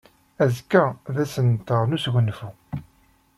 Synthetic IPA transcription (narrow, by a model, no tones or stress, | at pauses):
æzkːæðæsənt̪əʁnusʝʷənːfu